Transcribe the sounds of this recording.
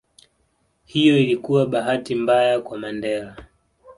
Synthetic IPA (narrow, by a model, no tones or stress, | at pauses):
hijɔilikuwaɓaɦatimbajakwamandɛɾa